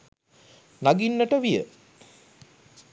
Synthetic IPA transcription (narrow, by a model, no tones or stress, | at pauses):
naɡinːəʈəʋijə̰